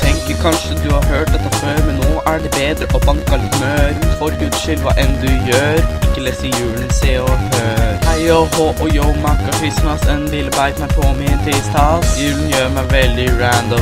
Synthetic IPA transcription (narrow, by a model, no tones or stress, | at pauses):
t̪ʰɛŋkəɾkʰɑnʂəd̪ʉhɑɾɦøːʈ̚d̪ɛt̪ːəføːɾmɛnːoːʔæɖɛbeːd̪ɾəʔɔbɑnkɑlmøːɾfɔɾʉːd̪ʃʏlʋɑ̰ːʔɛnːəd̪ʉjøːɾɪkːəlɛsəɾɪjʉːlnseːɔhøːɾhæɪohoːʔɔjoʊmɑkɑfɪsnɑsɛnlɪləbæɪt̪næpʰɔmɪt̪ʰɪst̪ʰɑːt̪jʉːlənjøːmæɪʋɛld̪ɪɹænd̪ɔm